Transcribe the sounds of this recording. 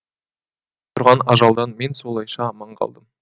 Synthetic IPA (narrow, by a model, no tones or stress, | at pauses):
t̪ʰʊɾʁɑnɑʒɑlˠd̪ɑnme̞nso̞lˠɑjʃɑmɑɴʁɑ̰lˠd̪əm